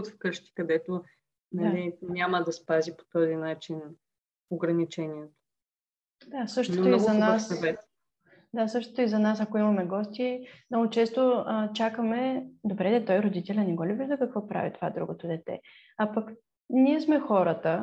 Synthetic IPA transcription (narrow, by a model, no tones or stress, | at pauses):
t̪fkɤʃt̪ʲi̥kɐd̪ɛt̪o | nɐlinʲaməd̪ɐspazipo̥t̪ɔzinat͡ʃin | oɡɾɐnit͡ʃɛniɛt̪o̥ | d̪asɤʃt̪o̥t̪oiɐnaasɐvɛt̪ | d̪asɤʃt̪o̥t̪ʊizɐnas̬ɐkoimɐmɛɡɔst̪ʲimnɔɡot͡ʃɛst̪oət͡ʃakəmɛd̪obɾɛd̪ɛt̪ɔjɾod̪it̪ɛlʲɐnɛɡɔlʲubid̪ɐkɐkvɔpɾa̰vit̪o̥va̰d̪ɾuɡot̪od̪ɛt̪ɛ̰ | apɐk | nʲiɛsmɛxɔɾət̪ə